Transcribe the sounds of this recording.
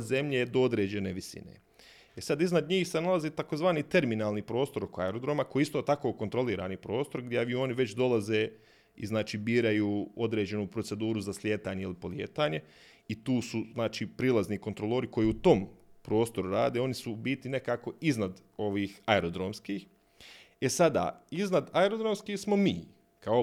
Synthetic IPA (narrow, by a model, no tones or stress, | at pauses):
ze̞mʎeːd̪ood̪ɾe̞ːd͡ʑe̞neːʋisḭnḛ | esad̪iznad̪ɲiːxsenalaziːt̪ako̞zʋaːniːt̪e̞ɾminaːlˠnipɾo̞ːst̪o̞ɾo̞koaeɾod̪ɾo̞mako̞jiist̪o̞ːt̪ako̞ːko̞nt̪ɾo̞liːɾaːnipɾo̞ːst̪o̞ɾɡd̪ʲjeʋio̞niʋe̞t͡ɕd̪o̞lazeː | ḭznaːt͡ʃiːbiːɾajuːo̞d̪ɾeːd͡ʑe̞nupɾo̞t̪se̞d̪uːɾuzasljeːt̪aːɲeilipo̞lijḛːt̪aːɲe̞ | it̪uːsuznaːt͡ʃiːpɾilˠazniko̞nt̪ɾolˠoːɾiko̞jiːut̪o̞mpɾo̞ːst̪o̞ɾuɾaːd̪eo̞nisubit̪ine̞kaːko̞iznad̪ | o̞ʋiːxaeɾod̪ɾomskiːx | e̞sad̪a̰ːiznad̪aeɾo̞d̪ɾomskiːxsmo̞miː | kao